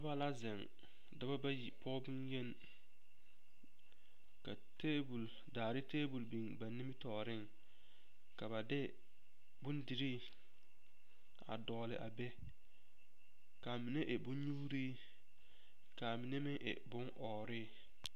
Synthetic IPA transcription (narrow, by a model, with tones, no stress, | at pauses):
ɪ˦ba˦la˦zɪ˨ŋ | dɪ˦ba˦ba˦ji˨pʰɔ˦bʊ˦nje˦n | ka˨ | teː˦bu˨l | daː˨ɾɪ˦teː˦bu˨lbi˨ŋba˨nɪ˦mɪ˦tɔː˨ɾɪ˦ŋ | ka˨ba˨dɪ˦ | bʊ˦ndɪ˨ɾiː˦ | a̰˨dɔː˨lɪ̰˨ʔa̰˨bɛ˦ | ka˨mi˨ne˦ʔɪ˨bʊ˦n˦ɲu˦ɾi˦ | ka˨mi˨ne˦mɪ˦ʔɪ̰˨bʊ˦ŋʔɔː˨ɾɪ˦˨